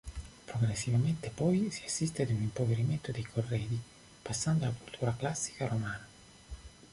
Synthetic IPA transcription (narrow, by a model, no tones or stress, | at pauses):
pɾoɡɾesːivament̪epɔjsiasːist̪ead̪unimpoveɾiment̪od̪ejkʰorːɛːd̪i | pasːand̪oalakult̪ʰuːɾaklasːi̥kaɾomaːna